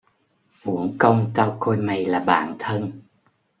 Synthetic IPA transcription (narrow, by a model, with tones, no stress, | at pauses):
ʔu˧˦əŋkə˧wŋ͡mkaː˧wko˧jma˨˩jlaː˨˩ɓa̰ː˧˨nt̪ʰə˧n